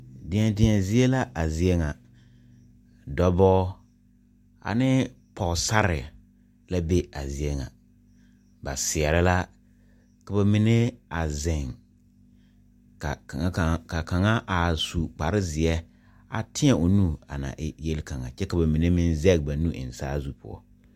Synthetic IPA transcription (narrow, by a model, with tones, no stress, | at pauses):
dɪ̃˨ɛ˨dɪ˨ɲɛ˨zɪ˦ɛ˦la˦ʔa˨zɪ˨˦e˦ŋa˨ | dɔ˦bɔː˦ | a̰˨nɪ˦ | pɔ˨ɣsa˦ɾɪ˨ | la˦be˦a˨zɪ˨e˦ŋa̰˨ | ba˨sɪ˨ɛ˨ɾɪ˦la˦ | ka˨ba˨mɪ˨ne˦a˨zɪ˨ŋ | ka˨˦˨ka˨ka˨ŋa˦ʔa˨su˨k͡pa˨ɾɪ˦zɪ˨ɛ˦ | a˨tʰɪ̃˦ɛ˨ʔo˨nu˦a̰˨na̰˨ʔɪ˦je˦lka˨ŋa̰˨t͡ʃɛ˦ka˨ba˨mi˨ne˦mɪ˦nzɛ˦ɡ̚ba˨nu˦ʔɪ̰˨n˨saː˦zu˦pʊ̰˦ɔ̰˦